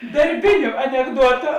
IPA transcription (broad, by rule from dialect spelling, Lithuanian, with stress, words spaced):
dɐrʲˈbʲɪnʲʊ ɐnʲɛɡˈduɔtʊ